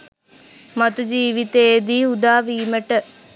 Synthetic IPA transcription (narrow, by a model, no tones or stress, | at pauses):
mat̪ud͡ʒiːʋit̪ed̪iːud̪aːʋiːməʈə